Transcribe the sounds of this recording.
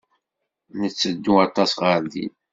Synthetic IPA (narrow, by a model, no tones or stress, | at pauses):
nət͡sːəd̪ːuɑt̪ˤɑsʁəɾd̪ḭl